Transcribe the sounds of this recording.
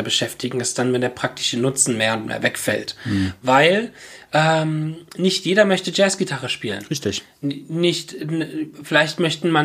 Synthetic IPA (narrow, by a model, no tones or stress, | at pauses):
bəʃɛftɪɡŋ̩ɛstd̥anvɛndeːɐpʁ̥ak̚tʰɪ̥ʃənʊt͡sn̩meːɐʊntmḛːɐvɛkfɛ̰ltvaɪlʔɛːmnɪçtjeːdɐmœçtəd͡ʒɛːsɡ̥itʰaʁəʃpiːlə̰nʁɪçtɪ | nɪçt | fɪlaɪçtmœçtn̩man